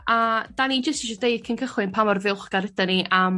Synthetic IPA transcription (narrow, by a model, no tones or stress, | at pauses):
ad̥anid͡ʒəstiʃɔdejd̥̚kʰɪnkʰəχwɨnpʰamɔrvɪlˠχɡ̥aɾɪdaniʔam